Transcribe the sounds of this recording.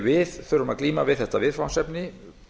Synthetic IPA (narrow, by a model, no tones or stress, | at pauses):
vɪðθʏɾʏmaðkliːmavɪðθɛht̪avɪðfawsɛpnɪ